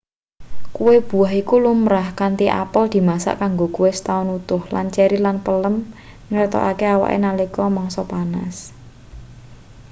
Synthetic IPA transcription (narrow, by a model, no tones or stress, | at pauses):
kuweb̥ṳaɦikulumɾahkant̪iʔa̰pəld̪̥i̤masa̰ʔkaŋɡokuwesə̥t̪aʊnut̪ʊhlant͡ʃɛɾilanpələm | ŋəɾt̪ɔ̰ʔakeawa̰ʔḛnalikɔmɔŋsɔpana̰s